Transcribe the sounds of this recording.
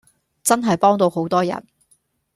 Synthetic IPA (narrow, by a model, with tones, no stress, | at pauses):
t͡sɐ˥nɦɐ˨jpɔː˥ŋt̪o˧who˨˥wt̪ɔː˥jɐ̰˨˩n